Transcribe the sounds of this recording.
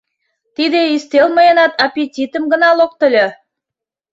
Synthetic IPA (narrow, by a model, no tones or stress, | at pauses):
t̪id̪eist̪elmɤjɤnɑt̪ɑpʲetʲit̪ə̆mɡə̆nɑlok̚t̪ə̆lʲĕ